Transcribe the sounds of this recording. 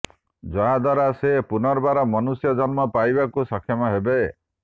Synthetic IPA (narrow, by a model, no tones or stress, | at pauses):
d͡ʒɔɦad̪ʱwaɾasepunɔɾbaɾɔmɔnusjɔd͡ʒɔnmɔpajbakusɔkʰjɔmɔɦebe